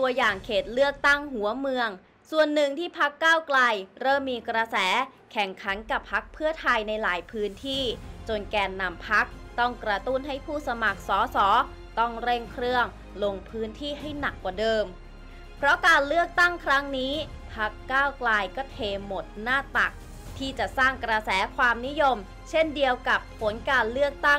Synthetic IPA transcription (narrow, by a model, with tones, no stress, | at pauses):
t̪u˧əjaː˨˩ŋkʰeː˨˩t̪̚lɯ˥˩ək̚t̪a˥˩ŋɦu˩˦ɐmɯ˧əŋ | su˨˩ənːɯ˨˩ŋt̪ʰiː˥˩pʰa˦˥kːaː˥˩wkla˧jɾɤː˥˩mːiː˧kɾa˧sɛː˩˦ | kʰɛ˨˩ŋkʰa˩˦nka˨˩pʰːa˦˥k̚pʰɯ˥˩ət̪ʰa˧jna˧jlaː˩˦jpʰɯː˦˥nt̪ʰiː˥˩t͡ɕo˧nkɛː˧nːa˧mpʰa˦˥k̚t̪ɔ˥˩ŋkɾa˧t̪u˥˩nɦa˥˩jpʰuː˥˩sa˧ma˨˩k̚sɔː˩˦sɔː˩˦ | t̪ɔ˥˩ŋɾe˥˩ŋkʰɾɯ˥˩əŋ | lo˧ŋpʰɯː˦˥nt̪ʰiː˥˩ɦa˥˩jna˨˩kːwaː˨˩dɤː˧m | pʰɾɔ˦˥kaː˧nlɯ˥˩ək̚t̪a˥˩ŋkʰɾa˦˥ŋniː˦˥ | pʰa˦˥kːaː˥˩wklaː˧jkɔː˥˩t̪ʰeː˧mo˨˩t̪̚naː˥˩t̪a˨˩k̚ | t̪ʰiː˥˩t͡ɕa˨˩ʔsaː˥˩ŋkɾa˧sɛː˩˦kʰwaː˧mni˦˥jo˧m | t͡ɕʰe˥˩ndi˧əwka˨˩pʰːo˩˦nkaː˧nlɯ˥˩ək̚t̪a˥˩ŋ